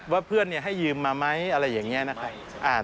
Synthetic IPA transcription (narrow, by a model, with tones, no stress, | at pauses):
waː˥˩pʰɯ˥˩ənːi˥˩ɐɦa˥˩jːɯː˧mːaː˧ma˦˥jʔa˧ɾa˧jːaː˨˩ŋːi˦˥na˦˥kʰa˦˥ | ʔaː˧˩